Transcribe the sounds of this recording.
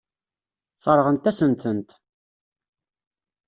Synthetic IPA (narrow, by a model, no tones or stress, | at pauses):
θˤəɾˤʁənt̪æsənt̪ənt̪